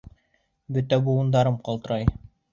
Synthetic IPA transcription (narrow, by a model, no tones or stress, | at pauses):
bɵt̪æbuɤ̆nd̪ɑɾɤmqɑlˠt̪ɤ̆ɾɑj